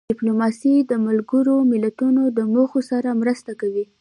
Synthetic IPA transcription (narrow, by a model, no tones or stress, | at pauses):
ɪplomɑsid̪əmalɡəɾomɪlat̪unod̪əmoxosaɾamɾəst̪akawi